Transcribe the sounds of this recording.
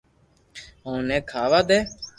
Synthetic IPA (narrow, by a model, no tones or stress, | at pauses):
ɦõːnɛ̃ːkʰaːʋaːd̪eː